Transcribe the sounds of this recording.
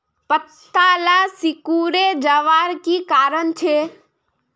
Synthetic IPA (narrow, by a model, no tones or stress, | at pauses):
pət̪ːaːlasɪkuːɾed͡ʒəʋaːɾkikaːɾənt͡ʃʰeː